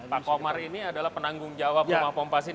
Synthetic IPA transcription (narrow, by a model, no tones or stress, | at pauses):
pakomaɾiniadalahpənaŋɡʊŋd͡ʒawapumapɔmpas̬i